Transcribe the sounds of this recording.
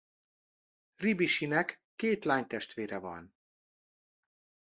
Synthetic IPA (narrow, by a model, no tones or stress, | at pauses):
ribiʃinɛkːeːt̪laːɲt̪ɛʃt̪ʋeːɾɛvɒ̰n